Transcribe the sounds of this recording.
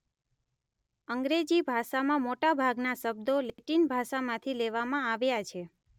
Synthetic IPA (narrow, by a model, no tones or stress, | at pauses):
əŋɡɾed͡ʒibʱaʃamãmoʈabʱaɡnaʃəb̚d̪oleʈinbʱaʃamãt̪ʰileʋamãaʋjat͡ʃʰe